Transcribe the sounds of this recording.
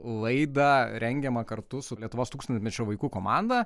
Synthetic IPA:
lˠɐɪd̪ɐɾʲɛŋʲɡʲɛmɐkɐrt̪ʊsʊlʲiɛt̪ʊʋoːst̪ukst̪ɐnʲmʲɛt͡ʃʲoːʋɐɪkuːkoːmɑnd̪ɐ

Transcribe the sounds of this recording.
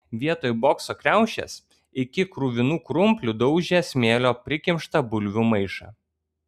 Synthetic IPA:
ʋʲiɛt̪oːjboːksoːkɾʲæˑʊʃʲɛ̰s | ɪkʲɪkɾuʋʲɪnuːkɾʊmʲpʲlʲʊd̪ɒʊʒʲesʲmʲeːlʲoːpʲɾʲɪkʲɪmʲʃt̪ɐbʊlʲʋʲʊmɐɪʃɑ̰

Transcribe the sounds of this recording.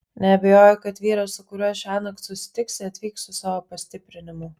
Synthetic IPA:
nʲɛɐbʲɛjoːjʊkɐt̪ʋʲiːɾɐssʊkʊɾʲuɔʃʲæːnɐkssʊsʲɪ̥t̪ʲɪksʲɪɐt̪ʲʋʲiːksʊsɑːʋoːpɐsʲt̪ʲɪpʲɾʲɪnʲɪmʊ

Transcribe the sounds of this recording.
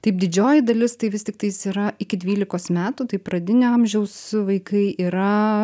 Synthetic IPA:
t̪ɐɪp̚d̪ʲɪd͡ʒʲoːjɪd̪ɐlʲɪst̪ɐɪʋʲɪstʲɪk̚t̪ɐɪsiːɾɐɪkʲɪd̪ʲʋʲiːlʲɪkoːsmʲæːt̪uːt̪ɐɪpɾɐd̪ʲɪnʲɪɐmʲʒʲɛʊsʋɐɪkɐɪiːɾɐ

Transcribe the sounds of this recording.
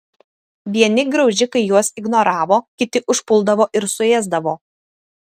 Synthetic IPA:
ʋʲiɛnʲɪɡɾɒʊʒʲɪkɐɪjuɔsɪɡnoɾɑːʋoːkʲɪt̪ʲɪʔʊʃpʊlˠd̪ɐʋoːʔɪɾsʊeːzd̪ɐʋoː

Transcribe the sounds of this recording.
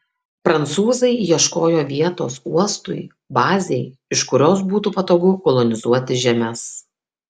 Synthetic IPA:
pɾɐnt̪suːzɐɪjiɛʃkoːjoːʋʲiɛt̪o̰ːsuɔst̪ʊɪ | bɑːzʲeɪɪʃkʊɾʲoːsbuːt̪uːpɐt̪oːɡʊkɔlˠɔnʲɪzuɔt̪ʲɪʒʲɛmʲɛs

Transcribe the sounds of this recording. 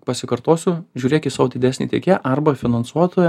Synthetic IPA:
pɐsʲɪkɐɾt̪oːsʲʊʒʲuːɾʲeːkʲɪt̪sɑːʋod̪ʲɪd̪ʲæːsnʲḭːt̪ʲɛ̰kʲeːʔɐɾbɐfʲɪnɐnsuɔt̪oːjɛ

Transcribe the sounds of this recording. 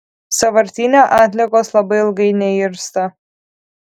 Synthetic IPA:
sɐʋɐɾʲt̪ʲinʲoʔɑːt̪ʲlʲiɛkoːslˠɐbɐɪɪlˠɡɐɪnʲɛɪɾst̪ɐ

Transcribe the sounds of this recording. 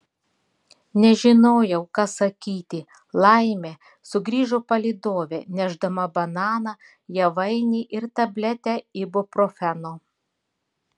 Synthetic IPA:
nʲɛʒʲɪnoːjɛʊkɑːsɐkʲiːt̪ʲɪ | lˠɑɪmʲe | sʊɡɾʲiːʒopɐlʲiːd̪oːʋʲeːnʲæʒd̪ɐmɐbɐnɑːnɑː | jɛʋɐɪnʲiːʔɪɾt̪ɐbʲlʲɛt̪ʲɛɪbopɾofʲɛnoː

